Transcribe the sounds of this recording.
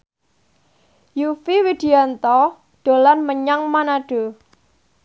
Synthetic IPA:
jufiwid̪̥iant̪ɔ | ɖ̪̥o̤lanməɲaŋmanaɖ̥o̤

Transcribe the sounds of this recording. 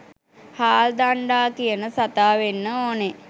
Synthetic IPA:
haːld̪aɳɖaːkijənəsat̪aːʋenːəoːne

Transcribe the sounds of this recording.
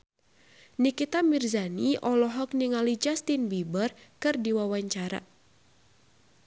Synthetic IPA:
nikit̪amirzaniʔɔlɔɦɔk̚niŋalid͡ʒast̪inbibərkɨrdiwawaɲt͡ʃaɾa̰

